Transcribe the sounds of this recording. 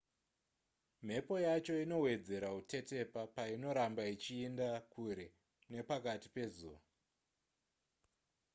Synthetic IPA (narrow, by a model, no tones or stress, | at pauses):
m̤e̞po̞jat͡ʃo̞ino̞we̞d͡ze̞ɾautʰe̞te̞papaino̞ɾambait͡ʃiːndakuɾe̞ | ne̞pakati̥pe̞zuːʋa